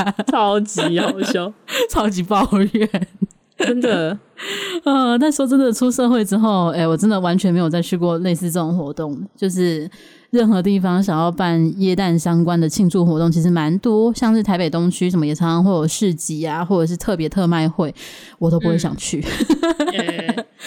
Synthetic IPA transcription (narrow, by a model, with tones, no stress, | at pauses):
t͡sʰɑ˧˥ʊt͡ɕi˨˥ɑ˩˦ʊɕjo˥˦ʊʈ͡ʂʰɑ˥ʊt͡ɕi˧˥pɑ˥˧ʊɥɛ˨˩˦n | ə˦˥nd̪ə˨ | ə˥˨˩t̪a˥˩n˥wɔ˥ʈ͡ʂə˥nd̪ə˨˩ʈ͡ʂʰu˥ʂɤ˥˧xwe˥˩ɪʈ͡ʂɻ̩˥xo˥˩ʊe˥˩wɔ˨˩ʈ͡ʂə˦nd̪ə˨wa˧˥nt͡ɕʰɥɛ˧nme˧˥jo˨˩ʊt͡sa˥˩ɪt͡ɕʰy˥kwɔ˥˧le˥˧ɪsɹ̩˥˧ʈ͡ʂɤ˥˩ʈ͡ʂʊ˨˩ŋxwɔ˧˥t̪ʊ˥˩ŋt͡ɕjo˥˧ʊʂ̬ɻ̩˥˩ | ɻə˥˩nxɤ˧˥t̪i˥˩fɑ˥ŋɕ̬jɑ˨˩ŋjɑ˥˧ʊpa˥˧njɛ˥˧t̪a˥˩nɕjɑ˥ŋkwa˥nd̪ə˨t͡ɕʰi˥˧ŋʈ͡ʂu˥˩xwɔ˧˥t̪ʊ˥˩ŋt͡ɕʰi˧˥ʂ̬ɻ̩˧ma˧˦˥nt̪wɔ˥ɕjɑ˥˧ŋʂɻ̩˥˩t̪ʰa˧˥pe˨˩ɪt̪ʊ˥ŋt͡ɕʰy˥ʂə˧˥mə˧jɛ˨˩ɑ˧˥ɑ˥ŋxwɔ˥˩jo˨˩ʊʂɻ̩˥˧t͡ɕi˧˥a˨xwɔ˥˩ʈ͡ʂɤ˨˩ʂ̬ɻ̩˥˧t̪ʰɤ˥˩pjɛ˧˥t̪ʰɤ˥˧ma˥˧ɪxwe˥˩ɪ | wɔ˨˩t̪o˥ʊpu˧˥we˥˩ɪɕjɑ̰˨˩ŋt͡ɕʰy˥˩